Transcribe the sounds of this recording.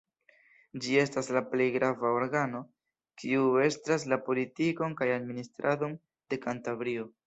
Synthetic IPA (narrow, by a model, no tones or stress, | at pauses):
d͡ʒie̞staslaple̞jɡɾavaoɾɡano̞ | kʰiue̞stɾas̬lapo̞litiko̞nkajad̚ministɾʔado̞n | d̥e̞kantavɾio̞